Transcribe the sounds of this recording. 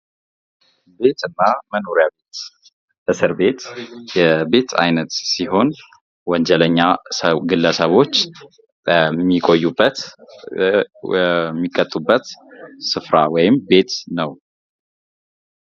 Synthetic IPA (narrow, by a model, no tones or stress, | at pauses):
be̞t̪ɨnːaməno̞ɾjabet̪ | ʔɨsɨɾbe̞t̪jɛbe̞t̪ʰa̰jnət̪siɦo̞n | wɔɲd͡ʒɛləɲːasɡɨlːəsəβo̞t͡ʃː | əmːikʼojːubːət̪ | ɛmːikʼːət̪ʼːubːət̪sɨfɾawɔjɪmbe̞t̪nəw